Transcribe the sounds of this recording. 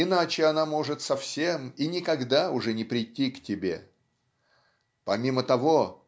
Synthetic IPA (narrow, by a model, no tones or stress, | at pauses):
ɪnat͡ɕɪɐnamo̞ʐɨt̪sɐfsʲe̞minʲɪkɐɡd̪aʊʐɛnʲɪpɾʲɪtʲːiktʲɪbʲe̞̰ | pɐmʲimət̪ɐvo̞